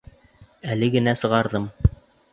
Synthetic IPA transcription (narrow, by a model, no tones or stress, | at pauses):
ælɘɡɘ̆næsɤ̆ʁɑɾðɤm